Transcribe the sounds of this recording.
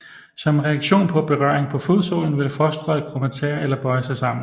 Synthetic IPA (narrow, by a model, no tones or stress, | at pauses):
sɒ̽mʁɛæɡ̥ɕo̝̰ːnpʰɒ̽b̥e̝ʁɶɐeŋpʰɒ̽foðˠso̰ːln̩ʋe̝lfɒsd̥ʁɒðˠkʰʁomæt͡sʰeɐelɐb̥ɒ̽ɪsɑ̈ɪsɑ̈m̰n̩